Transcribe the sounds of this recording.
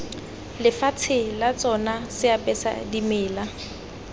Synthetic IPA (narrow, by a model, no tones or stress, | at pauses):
lɪfat͡sʰɪlat͡sʼɔnasɪapʼɛsa̰dimɪːla